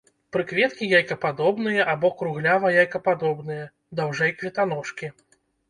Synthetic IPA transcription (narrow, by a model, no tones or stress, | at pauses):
pɾɨkvʲɛt̪kʲijajkɐpad̪ɔbnɨjɐʔabɔkɾuɣlʲavɐjajkɐpad̪ɔbnɨjɐ | d̪awʐɛjkvʲɛt̪an̪ɔʂkʲi